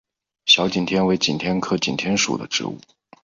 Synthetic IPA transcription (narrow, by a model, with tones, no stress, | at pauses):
ɕjɑ˧˥ʊt͡ɕi˨˩nt̪ʰjɛ˥nwe˧˥ɪt͡ɕḭ˨˩nt̪ʰjɛ˥nkʰɤ˥˩t͡ɕi˨˩nt̪ʰjɛ˥nʂṵ˨˩d̪ə˦ʈ͡ʂɻ̩̰˧˥ṵ˥˩